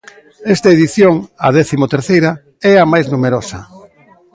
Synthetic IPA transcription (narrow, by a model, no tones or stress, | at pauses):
ɛst̪ɐeðiθjoŋɐ̰ðɛθimot̪eɾθejɾɐ | ɛɐmajznumeɾosɐ̰